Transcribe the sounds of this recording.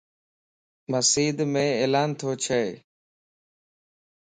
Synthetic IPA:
məsiːd̪mẽːeːlaːnt̪ʰoːt͡ʃʰeː

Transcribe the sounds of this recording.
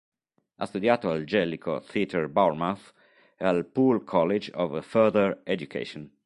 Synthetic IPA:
ʔa̰st̪ud̪jaːt̪oald͡ʒɛlikʰo̰θit̪ʰɛɹbawɾmaθ | alpulkʰɔled͡ʒɔvfɛd̪əɹɛd͡ʒukʰḛʃõn

